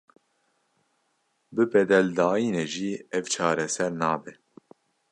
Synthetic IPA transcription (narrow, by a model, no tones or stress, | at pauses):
bɨbɛd̪ɛld̪ɑːiːneʒiːɛvt͡ʃʰɑːɾɛsɛɾnɑːbɛ